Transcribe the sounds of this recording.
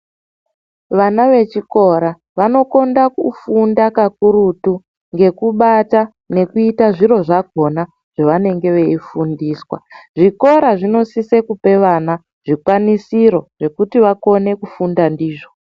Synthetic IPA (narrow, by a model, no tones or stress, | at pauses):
ʋanaʋe̞t͡ʃiko̞ɾa | ʋano̞ko̞ndakufundakak̚uɾutu | ŋɡe̞kuɓata | ne̞kuitaʐiɾo̞ʐaɡʱo̞na | ʐ̥aʋane̞ŋɡe̞ʋe̞ifundiːswa̰ʐiko̞ɾaʐino̞sisekupe̞ʋana | ʐ̥ikwanisiɾo̞ʐ̥e̞kutiʋako̞ne̞kufundandiːʐo